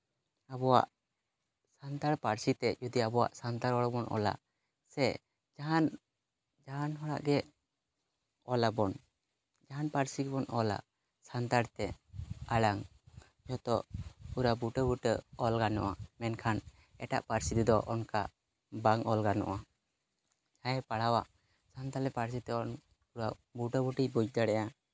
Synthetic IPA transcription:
abɔwa̰ʔ | sant̪aɽpaɾsit̪ɛd͡ʒud̪iabɔwa̰ʔsant̪aɾɔɽabɔnɔ̰la̰ʔ | sɛ | d͡ʒaɦan | d͡ʒaɦanɦɔɽa̰ʔɡɛ | ɔlabɔn | d͡ʒaɦanpaɾsiɡɛbɔnɔla̰ʔ | sant̪aɽt̪ɛaɽaŋ | d͡ʒɔt̪ɔʔpuɾabuʈəbuʈəɔlɡanɔ̰ʔamɛnkʰan | ɛʈa̰ʔpaɾsit̪ɛd̪ɔʔɔnka | baŋɔlɡanɔ̰ʔa | d͡ʒaɛpaɽawaʔ | sant̪aɾɛpaɾs̬it̪ɛɔn | puɾabuʈəbuʈibud͡ʒd̪aɽɛja

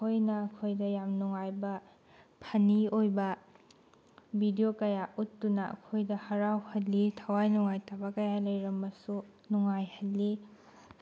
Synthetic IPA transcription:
kʰojnɐːkʰojdɐjamnuŋajbɐ | pʰɐniojbɐ | bʱidijokɐjaʔutːunɐʔɐ̰kʰojdɐhɐɾawhɐlːitʰɐwajnuŋajtabɐkɐjalɐjɾɐmːɐsu | nuŋajhɐlːi

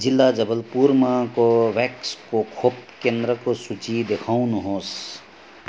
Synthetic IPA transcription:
d͡ʒɪlːad͡ʒəbəlpuːɾmakoʋɛkskokʰop̚kẽnd̪ɾəkosut͡ʃid̪ekʰaũnɦõːs

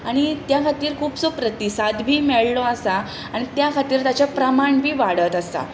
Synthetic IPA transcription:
aɽ̃it̪jakʰat̪iːɾkʰuːpsupɾət̪isad̪bʱiːmɛɭlɔəsa | aɽ̃it̪jakʰat̪iːɾt̪at͡ɕjapɾəmaɳbʱiːʋaɽət̪əst̪a̰

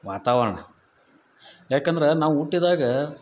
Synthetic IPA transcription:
ʋaːt̪aːʋɐɾɐɳɐ | jaːkend̪ɐɾenaːʋuuʈːid̪aːɡɐ

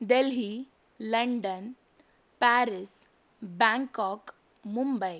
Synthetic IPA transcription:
d̪elɦi | ləɳɖən | pæɾis | bãŋkɔk | mumbəj

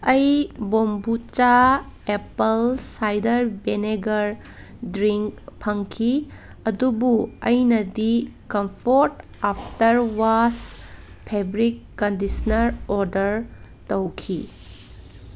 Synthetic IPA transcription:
ɐjbombut͡ʃa | epɐlsajdɐɾbeneɡɐɾ | dɾiŋkpʰɐŋkʰi | ɐdubuɐjnɐdikɐmpʰoɾt | apʰtɐɾwas | pʰebɾikːɐndisɐnɐɾoɾdɐɾ | tɐwkʰi

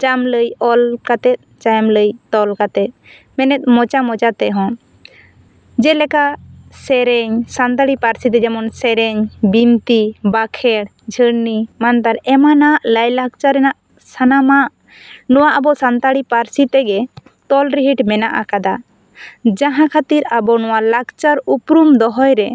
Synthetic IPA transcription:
t͡ʃamləjɔlkat̪ɛt̪̚ˀt͡ʃajmləjt̪ɔlkat̪ɛt̪̚ˀ | mɛnɛt̪̚ˀmɔt͡ʃamɔt͡ʃat̪ɛɦɔ̃ | d͡ʒɛlɛkasɛɾɛɲsant̪aɽipaɾsit̪ɛd͡ʒɛmɔnsɛɾɛɲbint̪ibakʰɛɽ | d͡ʒʱəɽnimant̪aɾɛmanaʔləjlaɡ̚t͡ʃaɾɛnaʔ | sanamaʔ | nɔwaʔabɔsant̪aɽipaɾsit̪ɛɡɛ | t̪ɔlɾiɦiʈmɛnaʔakad̪a | d͡ʒãɦãkʰat̪iɾabɔnɔwalaɡt͡ʃaɾupɾumd̪ɔɦɔjɾɛ

